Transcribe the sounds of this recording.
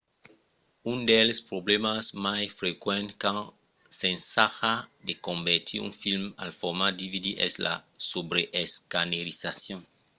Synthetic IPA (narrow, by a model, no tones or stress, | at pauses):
ũnd̪elespɾoblemasmajfɾekwẽnt̪kã | sẽnsaxad̪ekõmbeɾt̪ʰḭɾṵ̃nfilma̰lfoɾmad̪ivid̪iʔɛzla̰sobɾeʔeskaneɾisasjõŋ